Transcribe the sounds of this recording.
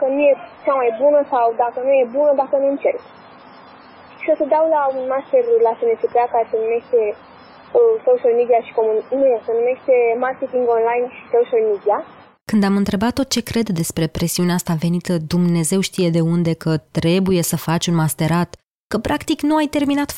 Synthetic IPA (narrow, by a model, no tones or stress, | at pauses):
kənuje̞t͡ʃamajbunəsawd̪akənuje̞bunəd̪akənuɨnt͡ʃe̞rk | sosəd̪awlaunmast̪e̞rlasenet͡ʃepeakaɾese̞nume̞ʃt̪e̞ | əsoʃalmid̪iaʃi̥komunnujesenume̞ʃt̪e̞markʲet̪iŋɡo̞nlajnʃi̥soʃalmid̪ia | kɨnd̪amɨnt̪ɾe̞bat̪ːo̞t̪̚t͡ʃe̞kɾe̞d̪d̪e̞spɾe̞pɾe̞siuneast̪ave̞nit̪əd̪umne̞ze̞wʃt̪ije̞d̪e̞und̪e̞kətt̪ɾe̞buje̞səfat͡ʃʲunmast̪e̞ɾat̪ | kəpɾakt̪iknuajt̪e̞rminat̪